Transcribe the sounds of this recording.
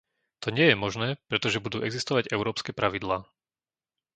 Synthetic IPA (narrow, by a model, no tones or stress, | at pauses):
t̪ɔɲɪɛjɛmɔʒnɛːpɾɛt̪ɔʒɛbud̪uːʔɛɡzist̪ɔʋaɟɛʊɾɔːpskɛːpɾaʋid̪laː